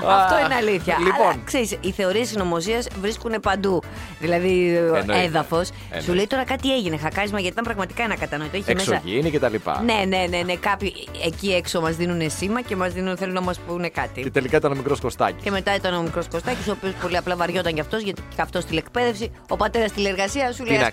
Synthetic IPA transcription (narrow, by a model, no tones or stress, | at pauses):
ɐfto̞ineɐliθçɐliɐlonkse̞ɾisiθe̞oɾiesino̞mo̞siɐsvɾiskune̞pɐnd̪u | ðilɐðieðɐfo̞s | suleit̪o̞ɾɐkɐt̪ie̞ʝine̞xɐkɐɾizmɐʝɐt̪it̪ɐmpɾɐɣmɐt̪i̥kɐenɐkɐt̪ɐnoit̪oeçesessɐʝḭnicet̪ɐlipɐ̰ne̞ne̞ne̞ne̞kɐpçi | eciekso̞mɐzðinune̞simɐce̞mɐzðinθelunɐmɐspune̞kɐt̪iet̪elikɐit̪ɐnomikɾo̞skost̪ɐ̰ci̥ceme̞t̪ɐit̪ɐno̞mikɾo̞sko̞st̪ɐciso̞ːpio̞spo̞liɐplɐvɐɾʝo̞t̪ɐɲɟɐft̪o̞zʝɐt̪iɐft̪o̞st̪ile̞kpe̞ðe̞fsi | o̞pɐt̪e̞ɾɐst̪ilieɾɣɐsiɐsul